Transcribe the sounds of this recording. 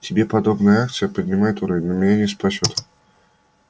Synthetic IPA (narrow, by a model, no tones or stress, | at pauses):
tʲɪbʲe̞pɐd̪o̞bnəjəakt̪sɨjəpədʲnʲɪmajɪt̪ʊɾɐvʲnʲnəmʲɪnʲanʲɪspɐsʲot̪